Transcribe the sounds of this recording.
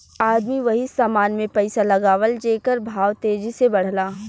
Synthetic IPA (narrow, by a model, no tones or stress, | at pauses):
aːd̪miʋɐɦisaːmaːnmẽpɛɪsalɐɡaːʋəld͡ʒeːkəɾbʱaːʋt̪eːd͡ʒisebɐɽ̤laː